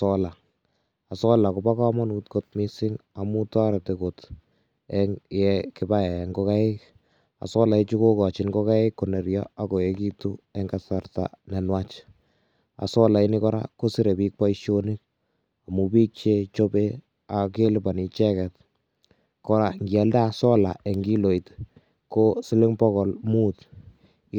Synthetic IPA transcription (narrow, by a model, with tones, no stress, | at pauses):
ɔla˨ | a˨sɔ˦la˨ko˨ba˦ka˦mɔ˦nut̚ko˨t̚mi˦sɪ˦ŋa˨mu˦ta˦ɾɛ˨te˨ko˨t | ɛjɛkɪ˦ba˦jɛ˨ŋɡo˦ka˦ɪ˦k | a̰˨sɔ˦la˨ɪ˦t͡ʃu˦ko˦kɔ˨t͡ʃɪ˨nɡɔ˦ka˦ɪ˦kːo˨nɛ˨ɾjɔ˦a˦kɔ˨e˦ki˦tu˦ɛ˦ŋɡasa˨rta̰˨nɛ˨nwat͡ʃ | a̰˨sɔ˦la˨i˦ni˦kɔ˦ɾa̰˦ko˦si˦ɾe˨bi˦k̚pa˦iʃo˦ni˦k̚ | a˨mu˨pi˦k̚t͡ʃe˦t͡ʃo˦be˦ | a˨ke˦lɪ˦ba˨ni˨t͡ʃɛ˦kɛ˨t̚ | kɔ˦ɾa˨ŋɡjɛ˨ldaː˦˨sɔ˦la˨ʔe˨ŋɡi˦lo˨it | ko˦sɪ˦lɪ˦ŋpɔ˦kɔ˨lmu˦t